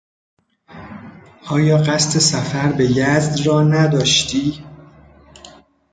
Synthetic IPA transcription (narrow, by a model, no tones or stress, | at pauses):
ʔɒːjɒːɢæst̪ʰe̞sæfæɾbe̞jæzd̪rɒːnæd̪ɒːʃt̪ʰiː